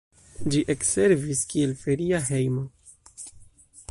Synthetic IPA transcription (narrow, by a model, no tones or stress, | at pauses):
d͡ʒiʔekse̞ɾviskielfeɾiaɦejmo